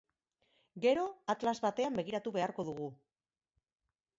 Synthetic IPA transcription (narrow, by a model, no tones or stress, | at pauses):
ɡe̞ɾo̞at̪lazβat̪e̞ambe̞ɣ̞iɾat̪uβe̞aɾko̞ðuɣ̞u